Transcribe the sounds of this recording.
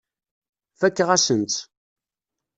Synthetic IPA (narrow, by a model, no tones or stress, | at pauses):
fækːʁæsənt͡s̪